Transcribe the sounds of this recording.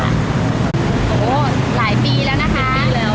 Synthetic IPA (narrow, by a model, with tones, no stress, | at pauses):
a̰˩ | ʔooː˨˦ | laː˩˦jpiː˧lɛː˦˥wna˦˥kʰa˦˥˦i˧lɛː˦˥˩w